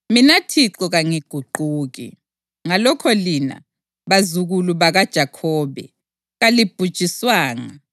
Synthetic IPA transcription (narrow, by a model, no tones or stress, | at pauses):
minatʰiǃɔɣaŋiɡ̥ʱuǃuːɣḭ | ŋalɔkʰɔlina̰ | βazuɣuluβaɣad̥ʒ̥ʱakʰɔːβɛ̰ | ɣalib̥ʱud̥ʒ̥ʱiswaːŋa̰